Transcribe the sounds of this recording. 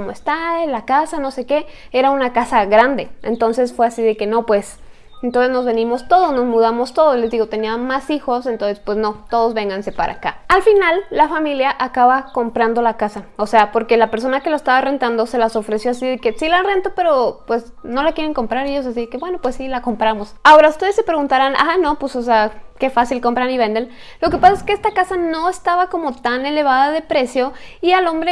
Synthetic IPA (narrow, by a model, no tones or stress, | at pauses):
omoest̪aelakasano̞se̞ke̞ | e̞ɾaunakasaɣɾand̪e̞ent̪o̞nse̞sfwe̞asið̞e̞ke̞no̞pwe̞s | ent̪onse̞zno̞zβe̞nimo̞st̪o̞ð̞osno̞zmuðamo̞st̪o̞ðosle̞zðiɣo̞t̪e̞niamasixo̞sent̪o̞nsespwe̞zno̞t̪o̞ðo̞zβe̞ŋɡanse̞pa̰ɾʔa̰kaalfinalːafamiljaʔakaβako̞mpɾand̪o̞lakasaose̞apo̞ɾke̞lape̞ɾso̞nake̞laest̪aβare̞nt̪and̪o̞se̞laso̞fɾe̞sjo̞asiðeke̞silare̞nt̪ope̞ɾo̞pwe̞sno̞lakje̞ɾe̞ŋko̞mpɾaɾeʝos̬as̬iðekeβwe̞no̞pwe̞sːilako̞mpɾamo̞sao̞ɾaust̪e̞ðe̞sːe̞pɾe̞ɣunt̪aɾana̰no̞pwesos̬eake̞fasilko̞mpɾaniβe̞nd̪en | lo̞ke̞pasaeske̞est̪akasano̞est̪aβako̞mo̞t̪ane̞le̞β̞aðaðe̞pɾe̞sjo̞ialo̞mbɾe